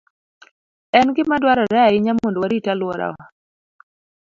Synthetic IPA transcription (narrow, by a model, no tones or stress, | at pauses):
ɛnɡɪmadwaɾɔɾɛaɪɲamondwaɾitalwɔɾa̰wa